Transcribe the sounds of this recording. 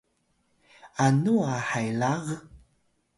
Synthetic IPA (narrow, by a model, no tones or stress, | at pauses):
anuahajlaɣə